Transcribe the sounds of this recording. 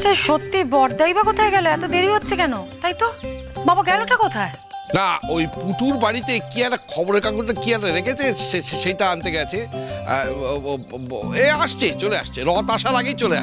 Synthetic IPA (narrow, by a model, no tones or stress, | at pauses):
t͡ɕʰeʃot̪ːibɔɾd̪ajbakot̪ʰaeɡɛloɛt̪od̪eɾiɦotːɕʰekɛnot̪ajt̪obabaɡɛloʈakɔt̪ʰae | naojpuʈʰuɾbaɽit̪ekiɛʈakʰɔboɾeɾkakoɾt̪ekianeɾekʰet͡ɕʰeʃeʃeʃejʈaant̪eɡɛt͡ɕʰḛ | eaʃt͡ɕʰet͡ɕolea̰ʃt͡ɕʰeɾɔt̪aʃaɾaɡejt͡ɕolea̰